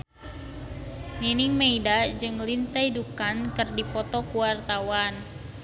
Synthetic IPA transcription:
niniŋmeidad͡ʒɨŋlinsaidukkankɨrdipɔt̪ɔkuwart̪awan

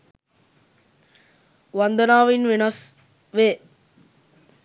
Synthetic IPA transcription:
ʋɐnd̪ɐnaːʋinʋenɐs | ʋeː

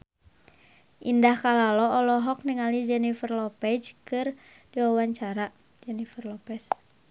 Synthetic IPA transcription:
ʔindahkalalɔɔlɔɦɔk̚niŋalid͡ʒɛnifərlɔpɛd͡ʒkɨr | d̥iwawaɲt͡ʃaɾa | d͡ʒɛnifərlɔpɛs

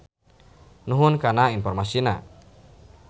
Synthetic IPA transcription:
nuɦunkanainfɔrmasina̰

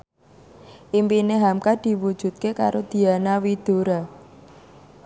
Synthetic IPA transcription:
ʔimpineɦamkad̪̥i̤wud̥ʒ̥ṳt̪̚kekaɾod̪̥i̤anawid̪̥o̤ɾa

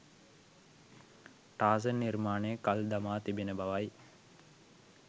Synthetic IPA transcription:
ʈaːzənirmaːnejkald̪amaːt̪ibinəbaʋaj

